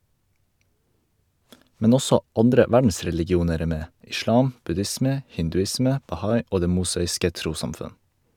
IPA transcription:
ˈmɛn ˈɔsɔ ˈɑndɾə ˈʋæɖn̩sɾɛlɪɡɪˌuːnəɾ ˈeː ˈmeː ʔɪˈʃlɑːm ˈbʉdɪsmə hɪndʉˈɪsmə bɑˈhɑɪ ˈoː ˈdeː ˈmʊsɑːɪskə ˈtɾuːsɑmˌfʉn

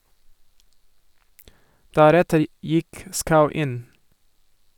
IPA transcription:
ˈdæɾɛtəɾ ˈjɪk ˈskaʊ ˈɪn

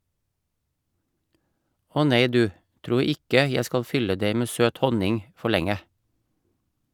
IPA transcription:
ˈɔ ˈneɪ ˈdʉː ˈtɾuː ˈɪkə ˈjæ ˈskɑl ˈfʏlə ˈdeɪ ˈmeː ˈsøːt ˈhɔnɪŋ ˈfɔ ˈɭɛŋə

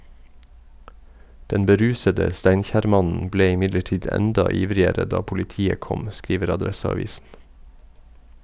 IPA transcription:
ˈdɛn bəˈɾʉːsədə ˈstæɪnçæːɾˌmɑnn̩ ˈbleː ɪˈmɪdləˌʈiːd ˈɛndɑ ˈiːʋɾɪəɾə ˈdɑː pʊlɪˈtiːə ˈkɔm ˈskɾiːʋəɾ ɑˈdɾɛsɑˌʋiːsn̩

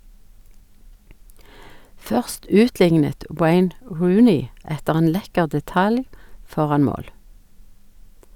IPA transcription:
ˈfœʁst ˈʉːtˌlɪŋnət ˈweɪn ˈɹʉːnɪ ˈɛtəʁ ˈeːn ˈlɛkəʁ dɛˈtɑl ˈfɔʁɑn ˈmoːl

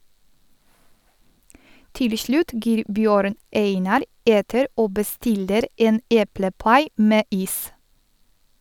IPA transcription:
ˈtɪl ə ˈʃɭʉːt ˈɡiːɾ ˈbjøːɾn ˈeɪnɑɾ ˈeːtəɾ ˈoː bəˈstɪləɾ ˈeːn ˈeːpləˌpɑɪ ˈmeː ˈiːs

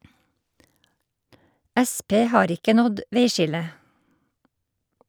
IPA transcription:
ˈæˌspeː ˈhɑːɾ ˈɪkə ˈnɔd ˈʋeɪˌʃɪlə

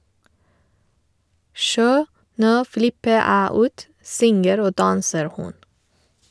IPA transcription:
ˈʃoː ˈnoː ˈflɪpə ˈæː ˈuːt ˈsʏŋəɾ ˈoː ˈdɑːnsəɾ ˈhʊn

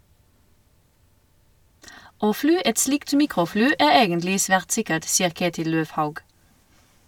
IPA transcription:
ˈoː ˈflyː ˈɛt ˈslɪkt ˈmiːkʁʊˌflyː ˈæː ˈeːɡənlɪ ˈsʋæːʁt ˈsɪkəʈ ˈsiːəʁ ˈkeːtɪl ˈløːʋˌhɑʉɡ

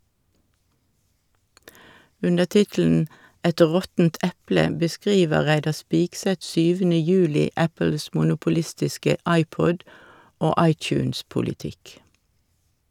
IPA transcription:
ˈʉndəʁ ˈtɪtl̩n̩ ˈɛt ˈʁɔtn̩t ˈʔɛplə bəˈskʁiːʋə ˈʁæɪdɑ ˈspɪksɛt ˈsyːʋənə ˈjʉːlɪ ˈæpəls mʊnʊpʊˈlɪstɪskə ˈɑɪˌpɔd ˈoː ˈɑɪˌt͡ʃʉːnspʊlɪˌtɪk

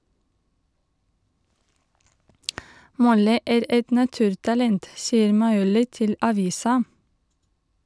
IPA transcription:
ˈmɔlɪ ˈæːɾ ˈɛt nɑˈtʉːɾtɑlɛnt ˈsiːəɾ mɑɪˈuːlɪ ˈtɪl ɑˈʋiːsɑ

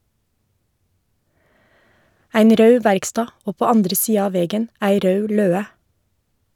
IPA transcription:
ˈæɪn ˈɾœʉ ˈʋæɾkˌstɑː ˈoː ˈpoː ˈɑndɾə ˈsiːɑ ˈɑː ˈʋɛɡən ˈæɪ ˈɾœʉ ˈløːə

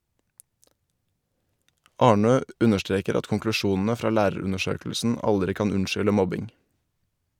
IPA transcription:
ˈɑːɳøː ˈʉnəʃˌtɾeːkəɾ ˈɑt kɔŋklʉˈʃuːn̩ə ˈfɾɑː ˈlæːɾəˌɾʉnəˌʃøːkəlsn̩ ˈʔɑldɾɪ ˈkɑːn ˈʉnʃʏlə ˈmɔbɪŋ

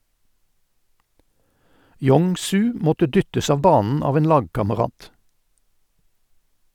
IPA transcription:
ˈjɔŋ ˈsʉː ˈmɔtə ˈdʏtəs ˈɑːʋ ˈbɑːnn̩ ˈɑːʋ ˈeːn ˈlɑːɡkɑməˌʁɑːt

